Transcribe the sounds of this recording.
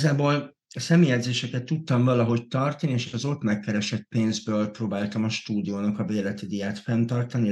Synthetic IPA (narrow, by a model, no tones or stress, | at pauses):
zaːboːl | ɒsɛmijɛd̪zeːʃɛkɛt̪ːut̪ːɒɱvɒlɒɦo̞ct̪ɒrt̪ɒnieːʃɒzo̞t̪mɛkːɛɾɛʃɛt̪̚peːnzbøːlproːbaːlt̪ɒmɒʃt̪uːd̪ijoːnɒkɒveːlɛt̪id̪ijaːt̪fɛnt̪ɒrt̪ɒni